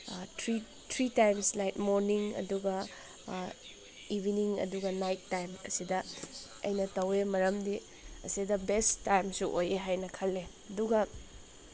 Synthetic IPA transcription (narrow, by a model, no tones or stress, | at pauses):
tʰɾi | tʰɾitajmslajt̚moɾniŋɐ̰duɡɐ | ibʱiniŋɐ̰duɡɐnajtːajmɐ̰sidɐ | ɐ̰jnɐtɐwemɐɾɐmdi | ɐ̰sidɐbestːajmsuʔojeɦajnɐkʰɐlːe | ɐduɡɐ